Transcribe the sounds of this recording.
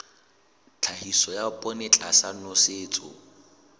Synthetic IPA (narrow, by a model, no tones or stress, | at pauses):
t͡ɬʰahisɔjapʼɔnɪt͡ɬʼasanɔseːt͡sʼʊ̰